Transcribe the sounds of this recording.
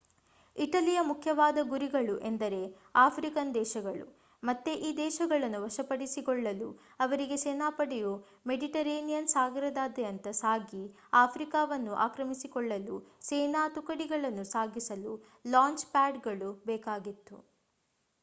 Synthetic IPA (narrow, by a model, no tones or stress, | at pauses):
iʈɐlijɐmukʰjɐʋaːd̪ɐɡuɾiɡɐɭuʔe̞nd̪ɐɾe̞ | aːpʰɾikɐnd̪ɛːʃɐɡɐɭṵ | mɐt̪ːeʔiːd̪ɛːʃɐɡɐɭɐnːuʋɐʃɐpɐɽisikɔɭːɐlṵ | ɐʋɐɾiɡe̞seːnaːpɐɽɛju | meɖiʈɐɾeːnijɐnsaːɡɐɾɐd̪aːd̪ɛjɐnt̪ɐsaːɡi | aːpʰɾikaːʋɐnːuʔaːkɾɐmisikɔɭːɐlut͡ʃeːnaːt̪ukɐɽiɡɐɭɐnːusaːɡisɐlu | laːɲt͡ʃpaːɖɡɐɭubɛːkaːɡit̪ːṵ